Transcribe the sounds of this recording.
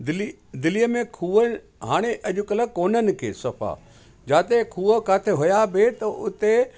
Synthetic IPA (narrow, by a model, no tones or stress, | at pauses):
d̪ɪli | d̪ɪlijəmẽkʰuːə | ɦaːɽ̃eʔɐʄʊkələkoːnənɪ̆kʰḛːsɐfa̰ | d͡ʑaːt̪ekʰuːəkaːt̪ʰeɦojabʱet̪ɐʔʊt̪e